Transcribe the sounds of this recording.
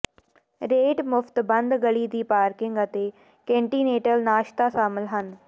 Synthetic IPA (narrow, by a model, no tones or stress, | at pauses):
ɾeːʈmʊft̪bɐ̃nd̪ɡɐliːd̪iːpaːɾkɪ̃ŋɡət̪e | kẽːɳʈiːneːʈəlnaːʃt̪aʃaːmɪlɦən